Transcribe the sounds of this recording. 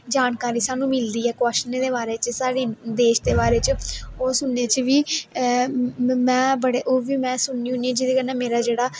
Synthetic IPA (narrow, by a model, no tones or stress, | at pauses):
d͡ʒaːnkaːɾiːsaːnũːmɪld̪iːɛːkɔːʃnẽːd̪eːbaːɾeːt͡ʃsaːɽeːd̪eːʃd̪eːbaːɾeːt͡ʃoːsʊnːeːt͡ʃʋiː | mɛ̃ːbəɽeːʔoːʋiːmɛ̃ːsʊnːĩːɦʊniɛ̃ːd͡ʒɪd̪eːkənɛ̃ːmeːɾaːd͡ʒeːɽaː